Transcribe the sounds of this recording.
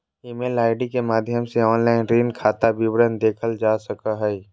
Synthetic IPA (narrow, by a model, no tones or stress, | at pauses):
imelaːɪɖikemaːd̪ʱjəmseɔːnlaːɪnɾiːnkʰaːt̪abiwɾənd̪eːkʰəld͡ʒaːsəkaɦɛi